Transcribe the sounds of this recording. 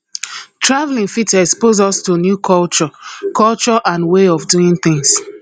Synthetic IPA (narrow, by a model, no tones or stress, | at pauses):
tɹavlĩŋfitɛkspozɔstonjukʰɔlt͡ʃɔkɔlt͡ʃɔʔãnweɔfduĩnθɪ̃ŋs